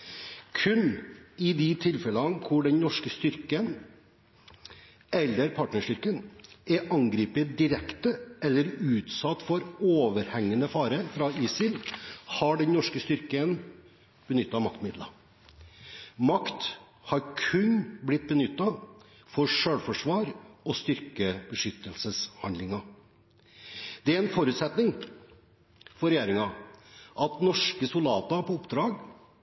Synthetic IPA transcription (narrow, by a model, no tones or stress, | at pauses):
kʰʉnɪd̪ɪt̪ʰɪlfɛlɑnkʰʊɖɛnnɔʂkəst̪ʏɾkən | ɛlːəɾpʰɑʈɳəʂʈʏɾkənʔɛʔɑŋɡɾiːpət̪̚d̪ɪɾɛkt̪əʔɛlːəɾʉːt̪sɑt̪ːfɔɾoːʋəɾhɛŋːənəfɑːɾəɾfɾɑiːsɪlhɑɖɛnnɔʂkəst̪ʏɾkən | b̥ənʏt̪ːɑmɑkt̪mɪd̪lɑ | mɑkt̪ | hɑɾkʰʉnblɪt̪̚bənʏt̪ːɑ | fɔɾʂøːɽfɔʂʋɑːɾɔst̪ʏɾkəbəʂʏt̪ːəlsəshɑnd̪ɪŋɑ | d̪̥ɛæɾɛnfɔɾʉːt̪sɛt̪nɪŋ | fɔɾɛjeːɾɪŋɑʔɑt̪nɔʂkəsʊld̪ɑ̰ːt̪ɑpɔʊpd̪ɾɑːɡ